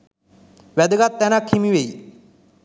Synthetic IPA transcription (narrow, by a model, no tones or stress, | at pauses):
ʋɛd̪əɡat̪ːɛnakʰːimiʋei